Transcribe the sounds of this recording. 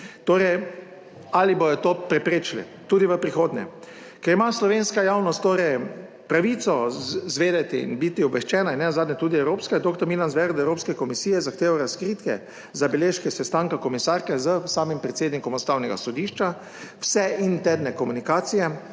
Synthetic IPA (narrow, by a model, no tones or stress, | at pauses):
t̪oːɾɛj | alibojɔt̪oːpɾɛpɾeːt͡ʃlḭ | t̪uːd̪iʋəpɾixoːd̪nɛ̰ | kɛɾimaslɔʋenskajaːwnɔst̪t̪ːoːɾɛj | pɾaʋit̪sɔzʋeːd̪ɛt̪iḭnbit̪iɔbʋɛʃt͡ʃɛːnainːɛnazad̪nʲɛt̪uːd̪iɛwɾoːpskɛd̪okt̪ɔɾmilanzʋɛɾd̪ɛwɾoːpskɛkɔmisijɛzaxt̪eːʋaɾaskɾit̪kɛ̰ | zabɛleʃkɛsɛst̪aŋkakɔmisaɾkɛzəsaːmimpɾɛt̪seːd̪nikɔmɔst̪awnɛɡa̰sɔd̪iʃt͡ʃa | wsɛʔint̪ɛdnɛkɔmunikaːt̪sijɛ